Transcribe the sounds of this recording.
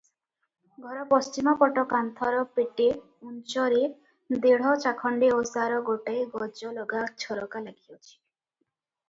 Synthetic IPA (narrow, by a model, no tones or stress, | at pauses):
ɡʱɔɾɔpɔst͡ʃimɔpɔʈɔkant̪ʰɔɾɔpeʈe | unt͡ʃɔɾe | d̪eɽ̤ɔt͡ʃakʰɔɳɖeosaɾɔɡoʈajɡɔd͡ʒɔlɔɡat͡ʃʰɔɾɔkalaɡʰiɔt͡ʃʰi̥